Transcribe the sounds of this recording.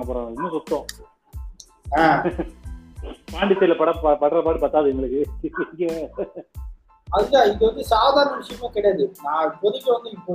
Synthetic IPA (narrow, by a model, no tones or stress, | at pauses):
ŋɡɐpːɾõːɛnːɐsʊt̪ːõː | aː | paːɳɖɪsːɐlɐpɐɽɐpɐpɐʈːɐlɐpaːʈɯpaːɾt̪ːaːðɯɛŋɡɐɭɯkːɯɪŋɡɐ | ɐðɯŋɡaːɪðɯʋɐnd̪ɯsaːðaːɾɐnɐʋɪʂɐjɐmeːkɪɽejaːðɯnãːpɔðɪɣːɐʋɐnd̪ɯɪpːo